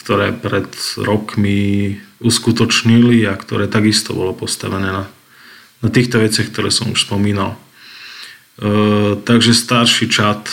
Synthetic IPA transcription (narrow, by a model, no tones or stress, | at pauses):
kt̪ɔɾɛ̰ːpɾɛd̪ɾɔkmiuskut̪ɔt͡ʃɲiliakt̪ɔɾɛːt̪aɡist̪ɔ̰bɔ̰lɔpɔst̪a̰ʋɛnɛːna | nat̪iːxt̪ɔʋɛt͡sɪaxkt̪ɔɾɛ̰ːsɔmṵʃspɔmiːnal | t̪aɡʒɛst̪aɾʃit͡ʃat̪